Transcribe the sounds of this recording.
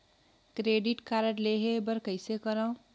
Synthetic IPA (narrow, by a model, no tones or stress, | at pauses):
kɾeɖiʈkaɾəʈleɦebəɾkəjsekəɾə̃w